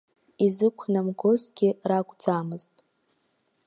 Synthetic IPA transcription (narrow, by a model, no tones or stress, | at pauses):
izɨkʷʰnamɡozɡʲɪraɡʷʼd͡zamɨz̥tʼ